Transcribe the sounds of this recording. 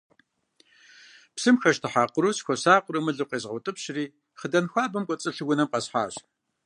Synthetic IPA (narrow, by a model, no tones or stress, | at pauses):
psɨmxɐʃtʰɨħaːqʷʊɾuːsxʷɔsaːqʷʼʊɾɨmɨɮɨw̚qeːzʁɐtʼɨpɕriː | χədɐnxʷaːbɐmkʷʼɔt͡sʼɨɬɨɡʷʊnɐmqɐsħa̰ːɕ